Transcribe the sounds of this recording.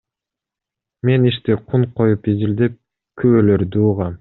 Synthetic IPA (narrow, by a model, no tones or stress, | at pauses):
me̞niʃt̪iqʰuɴqʰo̞jupizild̪ep̚ | kʰyβøløɾd̪uːʁɑm